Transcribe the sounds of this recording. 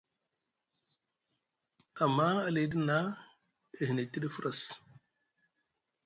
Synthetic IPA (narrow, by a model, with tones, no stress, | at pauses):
a˨mːa˦a˨le˨˦di˦na˦ | e˨ɦi˨ne˨ti˦di˦fu˦ɾʔa˨s